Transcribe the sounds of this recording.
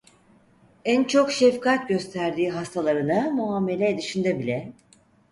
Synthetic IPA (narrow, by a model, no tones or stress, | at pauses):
ænt͡ʃʰo̞kʃefkat̪̚ɟø̞st̪ʰæɾd̪iːɦast̪ʰalˠaɾɯnamuamːe̞lʲɛːd̪iʃind̪ɛbilʲɛ